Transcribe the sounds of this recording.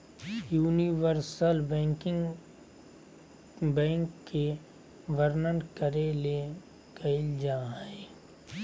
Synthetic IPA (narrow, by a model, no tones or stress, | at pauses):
juːniʋəɾsəlbɛ̃kɪŋ | bɛ̃ːŋkːe | ʋəɾnənkəɾele | kəɪld͡ʒaːɦɛ